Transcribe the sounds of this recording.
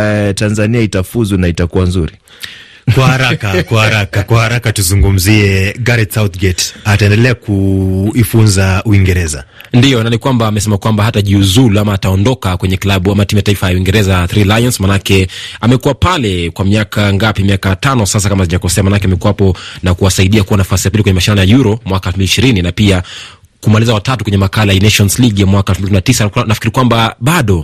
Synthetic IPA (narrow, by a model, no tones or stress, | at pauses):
tanzaniaitafuzunaitakuwanzuɾi | kwahaɾakakwahaɾakakwahaɾakatuzuŋɡum̩ziɛɡaɾɛtsawt̪ɡɛtataɛndɛlɛakuifunzauiŋɡɛɾɛzandijɔnanikwambaːmɛsɛmakwambaɦataʄiuzuluamaːtaɔndɔkakwɛɲɛklaɓuamatimujataifajauiŋɡɛɾɛzaθɾilajɔnsmanakɛamɛkuwapalɛkwamiakʰaŋɡapimiakatanɔsas̬akamaziʄakɔsɛamaːnakɛamɛkuwapɔnakuwasaiɗiakuwanafasijapilikwɛɲɛmaʃinanɔjajuɾɔmwakaɛlfmbiliʃiɾininapia | kumalizawatatukwɛɲɛmakalajinɛʃɔnsliɡjamwakaɛlfm̩biininatisanafikiɾikwambaɓaɗɔ